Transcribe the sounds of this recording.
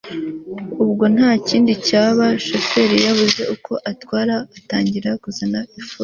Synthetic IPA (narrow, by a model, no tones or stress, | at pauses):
ubɡo̞n̥haːciːndicaːβaʃo̞fe̞ɾijaβuze̞ukʰo̞ʔatwaːɾaːtaːɲɟiɾakuzanaʔifu